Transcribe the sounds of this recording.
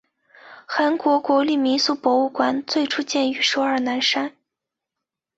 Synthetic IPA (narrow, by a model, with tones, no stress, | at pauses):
xa˧˥nkwɔ˧˥kwɔ˧˥li˥˩mi˧˥su˥˩pwɔ˧˥u˥˩kwa˧˥nt͡swe˥˩ɪʈ͡ʂʰu˥t͡ɕjɛ˥˩ny˧˥ʂo˧˥ə˞˥˩na˧˥nʂa˥n